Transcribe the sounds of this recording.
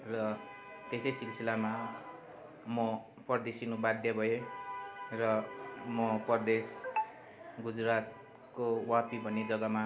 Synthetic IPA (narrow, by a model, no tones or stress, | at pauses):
rʌ | t̪esʌjsilsʰilama | mʌ | pʌrd̪esinubad̪ʱjʌbʱʌe | rʌmʌpʌrd̪es | ɡud͡zrat̪̚ | kowapibʱʌnːed͡zʌɡʌma